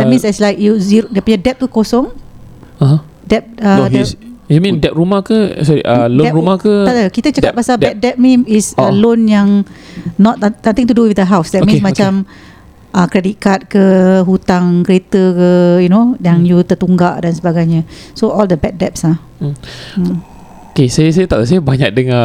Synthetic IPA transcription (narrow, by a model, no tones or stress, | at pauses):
d̪ɛt̚mĩnsɛslajk̚juziɾodiəpuɲadɛp̚t̪ukosɔ̃ŋ | aɦã | dɛp̚əojumĩndɛp̚ɾumahkəsɔɾḭʔəloɛɾumakəatəkit̪ət͡ʃakat̚pasabɛt̚dɛp̚mĩmisəlonjaŋnɔt̪̚sãmt̪ɪ̃ŋt̪uduwidəɦawsdɛtmĩsmat͡ʃam | əkɾedit̪̚kat̪̚kəɦut̪aŋkəɾet̪əkəjunojaŋjut̪ət̪uŋɡaʔdansəbaɡajɲəsoɔldəbɛk̚dɛp̚sa | okesajəsajət̪a̰ʔd̪əs̬ajəbaɲak̚dəŋã